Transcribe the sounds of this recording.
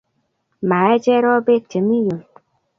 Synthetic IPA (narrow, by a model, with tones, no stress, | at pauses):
maː˨e˦d͡ʒe˦ɾɔ˦be˦t͡ʃe˨˦mi˦ju˨m